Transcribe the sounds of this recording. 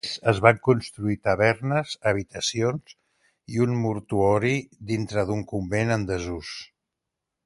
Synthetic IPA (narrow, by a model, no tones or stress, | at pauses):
zəzβaŋkunst̪ɾuit̪əβ̞ɛrnəzəβ̞it̪əsionz | iunmuɾt̪uɔɾiðint̪ɾəðuŋkumbenənd̪əzus